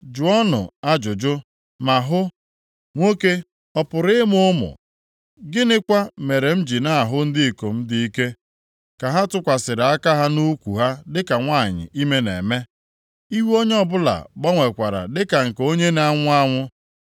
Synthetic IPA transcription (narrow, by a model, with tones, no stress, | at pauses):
d͡ʒu˨ɔ˦nʊ̰˨a˦d͡ʒʊ˨d͡ʒʊ˦ | ma˨ɦʊ˦ | ŋʷo˦ke˦ | ɔ˨pʊ˨ɾɪ˦mʊ˦ʊ˦mʊ̰˨ | ɡɪ˦nɪ˦kʷa˦me˨ɾe˨m̩˦d͡ʒi˨na˦˨ɦʊ˦n̩˦dɪ˦i˨ko˨m̩˦di˦i˦ke˦ | ka˨ɦa˦tʊ˦kʷa˨sɪ˨ɾɪ˨a˦ka˦ɦa˦nu˦kʷṵ˨ɦa˦dɪ˦ka˨ŋʷa˦˨ɲɪ̰˨ʔi˦me˦nḛ˨me˦ | i˦wo˦ɲ˦ɔ˦bʊ˦la̰˨ɡ͡bɔ˦ŋʷe˨kʷa˨ɾa̰˨dɪ˦ka˨ŋ̩˨ko˦ɲe˦na˦ŋʷʊ˦a˦ŋʷʊ˦